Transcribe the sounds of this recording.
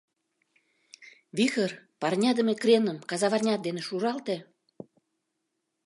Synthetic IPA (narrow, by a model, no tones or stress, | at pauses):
βixərpɑrnʲɑd̪ə̆mekrenəmkɑzɑβɑrnʲɑt̪̚d̪eneʃuɾɑlt̪ĕ